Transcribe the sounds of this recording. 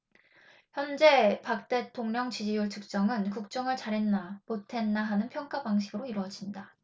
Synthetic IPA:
çjʌnd͡ʑe̞pak̚t͈e̞tʰoŋɲʌŋt͡ɕid͡ʑijuɭt͡ɕʰɯk̚t͡ɕ͈ʌŋɯnkuk̚t͡ɕ͈ʌŋɯɭt͡ɕaɾe̞nːamotʰe̞nːaɦanɯnpʰjʌŋk͈abaŋɕ̬ʰiɡɯɾoiɾwʌd͡ʑinɲda

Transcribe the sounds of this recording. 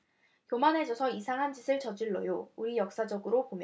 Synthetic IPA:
kjomanɦe̞d͡ʑʌsʰʌisʰaŋɦand͡ʑisʰɯɭt͡ɕʌd͡ʑiɭːʌ̰jouɾijʌk̚s͈ad͡ʑʌɡɯɾopomjʌ

